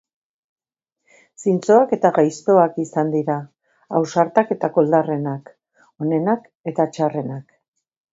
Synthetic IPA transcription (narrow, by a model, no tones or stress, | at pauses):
sint͡so̞ake̞t̪aɣajst̪o̞akisand̪iɾaː | wsaɾt̪ake̞t̪ako̞ld̪are̞nak | o̞ne̞nak | e̞t̪at͡ʃare̞nak